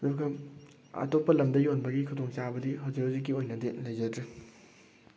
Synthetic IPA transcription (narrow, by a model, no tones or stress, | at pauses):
dokʰɐm | ɐ̰topːɐlɐmdɐjonbɐɡikʰudoŋt͡ʃabɐdiɦawzikhɐwzik̬ːiojnɐdelɐjd͡ʒɐdɾi